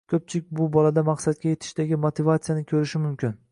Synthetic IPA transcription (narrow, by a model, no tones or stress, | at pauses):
kʲʰɵp̚t͡ʃʰɪlɪk̚ʲbʊbɒlad̪amaqsat̪̚ɡʲaje̞t̪ʰɪ̥ʃd̪aɡʲɪmot̪ʰɪvat̪sɨjanɪkʲʰɵɾɪʃɪmʊmkʲʰɪn